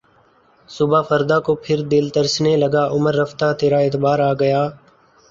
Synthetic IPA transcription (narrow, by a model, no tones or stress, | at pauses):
sʊbʱaːfʰəɾd̪aːkoːpʰɪɾd̪ɪld̪əɾsneːləɡaːʔʊməɾːəft̪aːt̪eːɾaːeːt̪baːɾaːɡəjaː